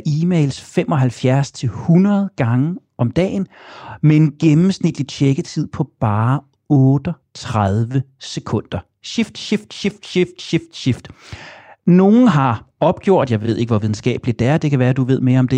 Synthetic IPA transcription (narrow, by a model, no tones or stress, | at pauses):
ʔiːmeɪlsfemʔɒ̽ɦælfjæɐst͡sʰe̝lhunɐð̞ˠɡ̥ɑ̈ŋə | ɒ̽md̥ɛ̰ːnmee̝nɡ̥emm̩snid̥lit͡ɕʰeɡ̥ət͡sʰið̞̰ˠpʰɒ̽b̥ɑ̈ː | ɔ̽ːd̥ə | t͡sʰʁɑðˠʋə | sekʰɔ̽n̰d̥ɐ | ɕifd̥ɕifd̥ɕifd̥ɕifd̥ɕifd̥ɕifd̥ | no̝ːn̩ɦɑ̈ɒ̽b̥̚ɡ̥jo̝ɐ̰d̥jɑ̈ɪʋe̝ð̰ˠe̝ɡ̥əʋɒʋiðˠn̩sɡ̥ɛ̰ːb̥lid̥ææɐd̥e̝kʰæʋæːɐd̥uʋe̝ð̞̰ˠme̝ːɐɒ̽md̥e̝